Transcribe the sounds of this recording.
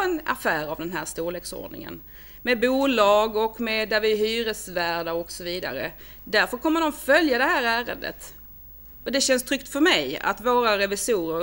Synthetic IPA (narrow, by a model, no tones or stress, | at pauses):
ɛna̰fæːɾavd̪ɛnɦæːɾʂt̪uːɭeksɔ̰ɖɳɪ̰ŋə̰n | mɛbuːlɑːɡɔkmɛd̪æɾvɪɦyːɾəsvæːɖaɔksɔviːd̪a̰ɾə | d̪æɾfœɾkʰɔmːəɖɔmfœljad̪ɛɦæːɾæːɾə̰nd̪ə̰t̪ | ɔd̪ɛɕɛnst̪ʰɾʏkt̪fœɾmɛja̰t̪voːɾaɾɛvɪsuːɾə